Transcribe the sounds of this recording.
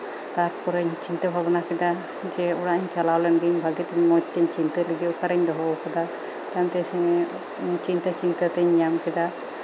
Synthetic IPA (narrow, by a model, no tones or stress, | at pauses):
t̪aɾpɔɾəɲt͡ʃint̪əbʱabnakɛd̪a | d͡ʒɛuɽaʔɲt͡ʃalawlɛnɡiɲbʱaɡit̪ɛɲmɔd͡ʒ̚t̪ɛɲt͡ʃint̪ələɡiukaɾəɲd̪ɔɦɔɔkad̪a | t̪amt̪ɛsiɲ | t͡ʃint̪ət͡ʃint̪ət̪ɛɲɲamkɛd̪a